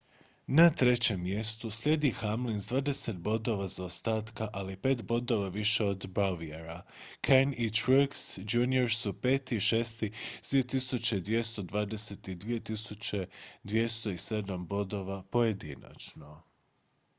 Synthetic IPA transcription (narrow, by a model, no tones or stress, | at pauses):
nat̪ɾe̞t͡ɕe̞mːje̞st̪uslʲe̞d̪ixamlinzd̪ʋaːd̪ese̞t̪̚bo̞d̪o̞ʋazaost̪aːt̪kaʔalipe̞ːt̪bo̞d̪o̞ʋaʋiʃe̞o̞d̪bɾaʋieɾa | kʰenit̪ɾuksd͡ʒuːnio̞ɾsupeːt̪iʃe̞ːst̪id̪ʋiet̪isut͡ɕe̞id̪ʋje̞st̪o̞d̪ʋaːd̪e̞set̪id̪ʋije̞t̪isut͡ɕe̞d̪ʋje̞st̪o̞ise̞d̪ambo̞d̪o̞ʋapo̞je̞d̪ḭna̰t͡ʃno̞